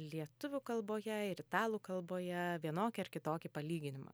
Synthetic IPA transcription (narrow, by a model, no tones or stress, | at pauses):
lʲiɛt̪ʊʋʲʊkɐlˠboːjɛɪɾɪt̪ɑːlˠuːkɐlˠboːjɛʋʲiɛnoːkʲɪɐɾkʲɪt̪oːkʲɪpɐlʲiːɡʲɪnʲɪmɐ̰